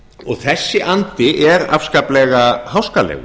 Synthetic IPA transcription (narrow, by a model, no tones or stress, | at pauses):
ɔɣθɛsːɪʔant̪ɪʔɛɾa̰fskaːplɛɣahawskalɛ̰ɣʏ